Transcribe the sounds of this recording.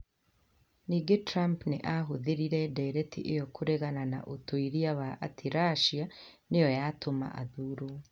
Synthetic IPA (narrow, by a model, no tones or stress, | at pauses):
niːɡetɾampneʔaɦoðeɾiɾɛdɛɾɛtiʔejɔkʰoɾeɣanana̰ʔotʰoiɾiawaʔatʰiɾaʃianejɔjatʰoma̰ʔa̰ðuɾo